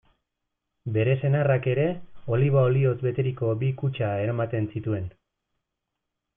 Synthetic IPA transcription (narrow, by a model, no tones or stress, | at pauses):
be̞ɾe̞se̞narake̞ɾe̞o̞liβ̞aolio̞t͡sbe̞t̪e̞ɾiko̞bikut͡ʃae̞ɾamat̪e̞nsit̪ue̞n